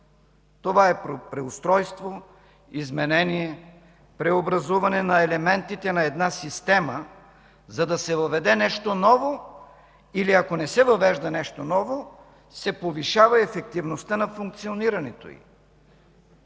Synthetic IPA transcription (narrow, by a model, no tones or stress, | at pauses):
t̪ovaɛpɾopɾɛʊst̪ɾɔjst̪vo | izmɛnɛnijɛ | pɾɛobɾɐzuvɐnɛnɐɛlɛmɛnt̪it̪ɛnɐɛd̪nasist̪ɛmə | zɐd̪ɐsɛvɐvɛd̪ɛnɛʃt̪onɔvo | iliɐkonɛsɛvɐvɛʒd̪ɐnɛʃt̪onɔvo | sɛpoviʃavɐɛfɛk̚t̪ivnost̪ənɐfuŋk̚t̪sioniɾɐnɛt̪o̰ḭ